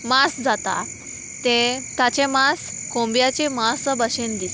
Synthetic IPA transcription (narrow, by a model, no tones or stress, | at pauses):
masd͡zat̪a̰ | t̪et̪at͡ɕẽmas | kõmbjat͡ɕemasabəɕend̪it̪